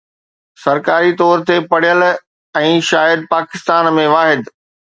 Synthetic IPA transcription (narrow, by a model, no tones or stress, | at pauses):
sɐɾkaːɾit̪ɔːɾt̪epɐɽ̤ijəl | ɛ̃ːʃaːjəd̪̚paːkɪst̪aːnmẽʋaːɦɪd̪